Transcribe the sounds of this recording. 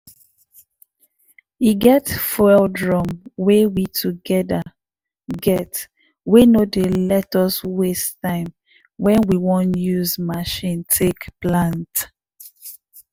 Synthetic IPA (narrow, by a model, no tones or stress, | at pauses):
iɡɛtfɔɛldɹɔ̃mwɛwitʰuɡɛda | ɡɛt | wenodelɛtɔswestãɪ̃m | wɛ̃nwiwɔ̃njuzmaʃĩntʰekplãnt